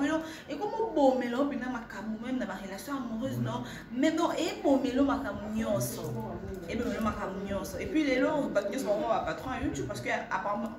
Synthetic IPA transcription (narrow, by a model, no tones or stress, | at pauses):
belɔ | ekomobomelɔɔpenamakamumɛmnabaʁelasjɔ̃amuʁøznɔ | mɛnɔ̃ʔebomelomakambuɲɔ̃sɔ | eebomelomakambuɲɔ̃sɔepɥileloaɲɔ̃sɔbamãbapatʁɔ̃najutub̚pasə̥kɛa̰pamã